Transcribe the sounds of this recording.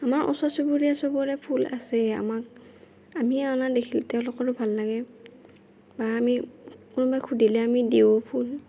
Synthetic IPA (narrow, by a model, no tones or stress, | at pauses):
amaɹʔɔ̰sɔsubuɹijasɔbɔɹɛpʰula̰sɛa̰mak̚ | amiaɔnadekʰilɛtɛʊ̃lʊkɔɹʊbʱalːaɡɛ | baamikʊnʊbajkʰudʱilɛamideopʰul